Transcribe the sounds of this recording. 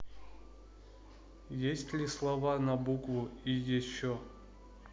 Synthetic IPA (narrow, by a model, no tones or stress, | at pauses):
jesʲtʲlʲislˠavanɐbukvuijɛɕːɔ